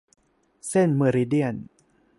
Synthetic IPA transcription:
se˥˩nme˧ɾi˦di˥˩ən

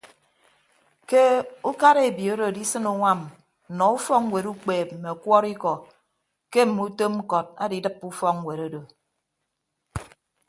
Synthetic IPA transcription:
ke˦u˦ka˦ɾe˦˨e˨bi˨o˦do˨di˦sɨ˦nu˨ŋa˦m̩˨ | nɔ˨u˦fɔ˦ŋŋ˦we˨ɾu˦k͡peː˨pm̩˨me˨kwɔ˦ɾi˦kɔ˨ | ke˦m̩˨mu˦to˦m̩˦kɔ˨t̚a̰˦di˦dɨ˦pːu˦fɔ˦kwe˨ɾo˦do˨

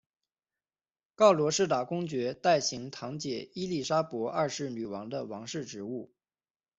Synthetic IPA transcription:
kɑ˥˩ʊlwɔ˧˥ʂɻ̩˥˩t̪a˨˩kʊ˥ŋt͡ɕɥɛ˧˥t̪a˥˩ɪɕi˧˥ŋt̪ʰɑ˧˥ŋt͡ɕjɛ˨˩i˥li˥˩ʂa˥pwɔ˧˥ʔa˥˧ʂɻ̩˥˩ny˨˩wɑ˧˥ŋd̪ə˧wɑ˧˥ŋʂɻ̩˥˩ʈ͡ʂɻ̩˧˥u˥˩

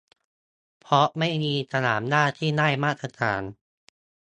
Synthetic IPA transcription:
pʰɾɔ˦˥ma˥˩jmiː˧sa˧naː˩˦mnaː˥˩t̪ʰiː˥˩naː˥˩jmaː˥˩t̪ɾa˧t̪ʰa̰ː˩˦n

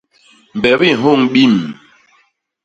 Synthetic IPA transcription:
m̩˨bɛ˨˦bi˦˨ɦo˦˨ŋɓi˦˨m

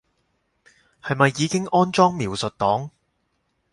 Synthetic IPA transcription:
hɐ˨jmɐ˨jːiː˨˧kɪ˥ŋɔː˥nt͡ʃɔː˥ŋmiː˨˩wsɵ˨t̚t̪ɔː˨˥ŋ

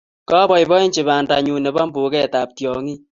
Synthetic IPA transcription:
kɔ˦bɔ˨jbɔ˦i˦nt͡ʃɪ˨ba˨nda˨ɲu˨nɛ˨ba˦mbu˨kɛ˦˨ta˨p̚tjɔ˨ŋi˦

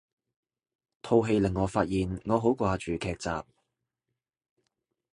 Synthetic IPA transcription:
t̪ʰo˨˧wɦe˧jlɪ˨˩ŋːɔː˨˧faː˧t̚jiː˨nŋɔː˨˧ɦo˨˥wkʷaː˧t͡ʃyː˨kʰɛː˧k̚t͡sa̰ː˨p̚

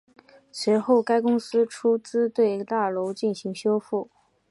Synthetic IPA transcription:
s̩˧˥xo˥˩ʊka˥ɪkʊ˥ŋsɹ̩˥ʈ͡ʂʰu˥t͡sɹ̩˥t̪we˥˩ɪi˧˥ɡə˧t̪a˥˩lo˧˥ʊt͡ɕi˥˩nɕi˧˥ŋɕjo˥ʊfu˥˩

